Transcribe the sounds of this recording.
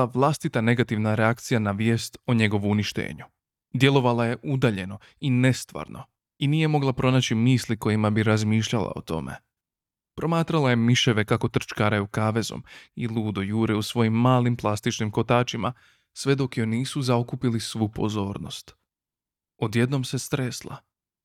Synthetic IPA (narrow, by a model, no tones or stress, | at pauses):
aʋlˠast̪it̪ane̞ɡat̪iʋnaɾeakt̪sijanaʋje̞ːst̪oɲe̞ɡo̞ʋuuniʃt̪e̞̰ːɲu | d̪je̞lˠo̞ʋalaje̞ʔud̪aʎe̞no̞ | ine̞st̪ʋa̰ːɾnʔo̞̰ | iniːje̞mo̞ɡlˠapɾo̞naːt͡ɕimiːsliko̞jimabiɾazmiːʃʎalˠa̰o̞̰t̪o̞̰mʔe̞̰ | pɾo̞maːt̪ɾalaje̞miʃe̞ʋe̞kako̞t̪r̩t͡ʃkaːɾajukaːʋe̞zo̞̰milˠuːd̪o̞juːɾeusʋo̞jimːaːlimplˠast̪it͡ʃnimko̞t̪aːt͡ʃima̰ | sʋe̞d̪o̞kjoniːsuzaokupilisʋuːpo̞̰zo̞ːɾno̞̰st̪ | o̞d̪je̞d̪no̞mse̞st̪ɾeslˠa̰